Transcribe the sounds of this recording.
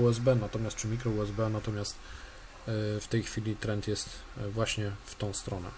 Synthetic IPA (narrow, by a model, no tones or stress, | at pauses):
uɛzbɛnat̪ɔmʲjast̪̚t͡ʂɘmʲikɾɔuɛzbɛnat̪ɔmʲjast̪ | ft̪ɛjxfʲilʲit̪ɾɛnt̪jɛst̪vwaɕɲɛft̪ɔ̃w̃st̪ɾɔnɛ̰